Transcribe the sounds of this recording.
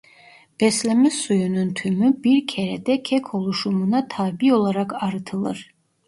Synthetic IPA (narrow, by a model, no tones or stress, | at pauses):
b̥ɛslʲɛmizsujununt̪ʰymybiɾcʰeɾɛd̪ɛcʰɛkʰo̞lˠuʃumunat̪ʰaːbio̞lˠaɾakaɾɯt̪ʰɯlˠɯ̰ɾ̥